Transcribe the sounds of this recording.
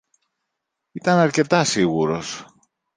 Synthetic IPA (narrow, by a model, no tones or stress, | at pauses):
it̪ɐnɐɾce̞t̪ɐsiɣuɾo̞̰s